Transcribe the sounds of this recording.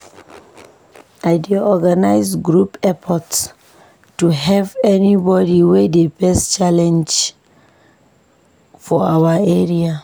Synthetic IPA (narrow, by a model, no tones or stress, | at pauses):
ajdeɔɡanajzɡɹupɛpʰɔts | tːuɦɛvɛnibɔdiwɛdebɛst͡ʃalɛ̃nd͡ʒ | fɔawaɛɹia